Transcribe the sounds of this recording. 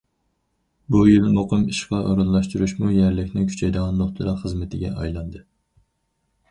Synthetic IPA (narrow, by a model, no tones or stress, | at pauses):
bujilmoqʰɨmiʃqʰɑʔo̰ɾɑlːˠɑʃt̪uɾuʃmujæɾlɪkʲnɪŋkʲʰy̥t͡ʃʰɛjd̪ɨʁɑnd̪oχt̪ʰɨɾɑχəzmɪt̪ʰɪɡʲɛ̰ʔɑ̰jlˠɑnd̪ɨ